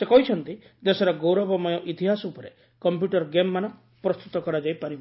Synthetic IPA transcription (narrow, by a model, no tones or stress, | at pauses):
sekɔɦit͡ʃʰɔnt̪i | d̪esɔɾaɡowɾɔbɔmɔjɔʔit̪iɦasɔupɔɾe | kɔmpjuʈɔɾɡemːanɔ | pɾɔst̪ut̪ɔkɔɾad͡ʒajpaɾiba